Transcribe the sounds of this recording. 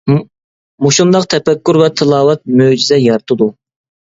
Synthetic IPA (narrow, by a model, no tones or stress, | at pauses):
muʃund̪ɑqt̪ʰɛpɛkʲːuɾvɛt̪ʰɨlˠɑːwɛt̪̚mød͡ʒizɛjɑɾt̪ʰɨd̪u